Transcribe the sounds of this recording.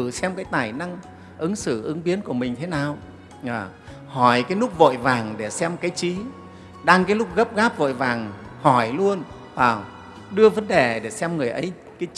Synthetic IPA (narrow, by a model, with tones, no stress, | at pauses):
ɨ˧˩sɛ˧mkaː˨˦jt̪aː˨˩jna˧ŋ | ʔɨ˨˦ŋsɨ˧˩ʔɨ˨˦ŋɓi˨˦ənku˧˩əmï˨˩ŋ̟t̪ʰe˨˦naː˨˩w | ʔaː˨˩ | hɔ˧˩jkaː˨˦jlʊ˦˥k͡p̚vo̰˧˨jvaː˨˩ŋɗe˧˩sɛ˧mkaː˨˦jt͡ɕi˨˦ | ɗaː˧ŋkaː˨˦jlʊ˦˥k͡p̚ɣə˦˥p̚ɣaː˦˥p̚vo̰˧˨jvaː˨˩ŋhɔ˧˩jlu˧ən | vaː˨˩ | ɗɨ˧əvə˨˦nɗe˨˩ɗe˧˩sɛ˧mŋɨ˨˩əjʔə˨˦j | kaː˨˦